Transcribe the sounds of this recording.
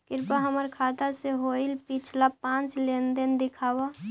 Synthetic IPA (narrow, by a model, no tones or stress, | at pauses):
kɪɾpaɦəməɾkʰaːt̪aseɦoɪlpɪt͡ʃʰlapãːt͡ʃlend̪ənd̪ɪkʰaːwa